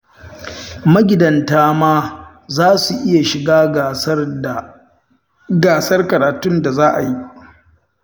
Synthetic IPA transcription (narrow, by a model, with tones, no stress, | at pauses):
mɐ˦ɡʲɪ˨dɐ˨ntaː˦maː˦ | zaː˦su˨ʔɪ˦ja˨ʃɪ˨ɡaː˦ɡ | ɡaː˨sɐ˦rkɐ˨ɾaː˨tʊ˦nda˨zaː˦ʔa˨ji˦